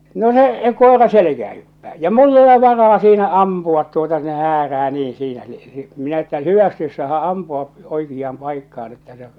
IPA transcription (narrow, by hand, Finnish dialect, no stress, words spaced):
no se koˑerɑ selekæː hypːæː jɑ mulː ole ʋɑrɑː siːnæ ɑmpuɑt tuotɑ ne hæːræː niːĩ siːnæ ni minæ etːæ hyʋæsti ois sɑːhɑʔ ɑmpuɑʔ oikijːɑːm pɑikːɑːn etːæ se